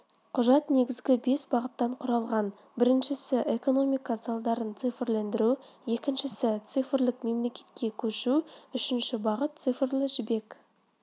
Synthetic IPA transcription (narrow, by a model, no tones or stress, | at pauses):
qʰʊʒɑt̪ne̞ɡʲɪzɡʲɪbe̞sbɑʁət̪ːɑɴqʰʊɾɑlˠʁɑn | bɪɾɪnʃɪsɪʔe̞ko̞no̞mijkazɑlˠd̪ɑɾənt̪sɨjfɪɾlend̪ɪɾuje̞kʲɪnʃɪsɪt̪sɨfɪɾlɪkme̞mle̞kʲe̞̥t̪̚kʲe̞kʲʰɵʃuʏʃɪnʃɪbɑʁət̪̚t̪sɨjfrlˠɪʒɪbe̞k